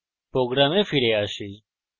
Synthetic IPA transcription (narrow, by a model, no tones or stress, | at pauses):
pɾoːɡɾãːmẽːfʰiɾeːaːʃiː